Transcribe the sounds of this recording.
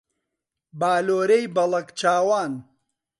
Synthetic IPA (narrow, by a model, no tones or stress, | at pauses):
baːloːɾejbɐlɐkt͡ʃaːwaːn